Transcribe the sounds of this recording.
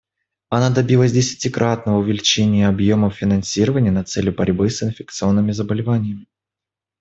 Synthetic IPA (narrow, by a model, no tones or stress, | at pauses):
ɐnad̪ɐbʲilˠəzʲdʲɪsʲɪ̥tʲɪkɾʔat̪̚nəvəʊvʲɪlʲɪt͡ɕenʲɪjəɐbjo̞məfʲɪnɐnsʲiɾəvənʲɪjənɐt̪sɛlʲjʊbɐɾʲbɨsɪnfʲɪk̚t̪sɨo̞nːɨmʲɪzəbəlʲɪvanʲɪjəmʲɪ